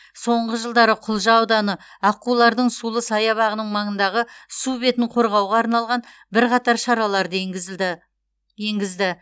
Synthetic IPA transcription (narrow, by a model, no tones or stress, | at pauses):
so̞ɴʁəʒəlˠd̪ɑɾəqʰʊlˠʒɑwd̪ɑnə | ɑqːulˠɑɾd̪əɴsulˠəsɑjɑβɑʁənəɴmɑɴənd̪ɑʁəsube̞t̪ɪɴqʰo̞ɾʁɑwʁɑːɾnɑlˠʁɑn | bɪɾqʰɑt̪ɑɾʃɑɾɑlˠɑɾd̪ə | je̞ŋɡʲɪzd̪ɪ